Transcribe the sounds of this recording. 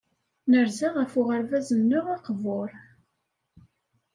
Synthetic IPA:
nəɾzaʁəfʊʁəɾvæzənːʊʁaqəvʊɾ

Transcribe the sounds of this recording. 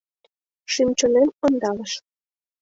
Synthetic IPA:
ʃymt͡ɕonemond̪ɑləʃ

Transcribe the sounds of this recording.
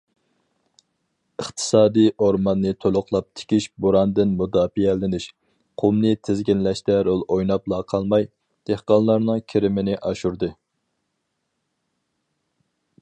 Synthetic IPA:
əχt̪ʰɨ̥sɑːd̪ijʔoɾmɑnːɨt̪ʰolˠʊqʰlˠɑp̚t̪ʰɪ̥kʲiʃboɾɑnd̪ɪnmud̪ɑːfiɛlɪnɪʃ | qʰumnɪt̪ʰɪzɡʲinlɛʃt̪ɛɾolˠojnɑplˠɑqʰɑlˠmɑj | d̪̥ehqɑnˠlˠɑɾnɨŋkʲʰiɾɪmɪnɪʔɑʃuɾd̪ɨ

